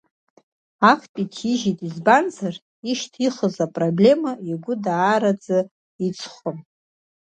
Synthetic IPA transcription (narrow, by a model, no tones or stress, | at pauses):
akʰpʼitʰiʒitʼizband͡zar | iʃtʰiχəzapʼroblʲe̞maiɡʷʊdaːɾad͡zɨ | it͡sʰʼχʷʊm